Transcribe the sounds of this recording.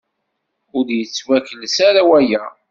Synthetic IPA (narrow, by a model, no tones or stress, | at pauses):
ʊɾjət͡sːwækəlsaɾawæjæ